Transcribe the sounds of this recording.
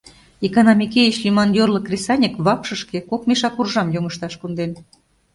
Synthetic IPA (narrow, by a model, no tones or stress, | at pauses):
ekonɑmʲikʲejit͡ɕlʲimɑnjorlɤkrʲesɑnʲəkβɑpʃɤ̆ʃkekokmeʃɑkurʒɑmjoŋəʃt̪ɑʃkond̪en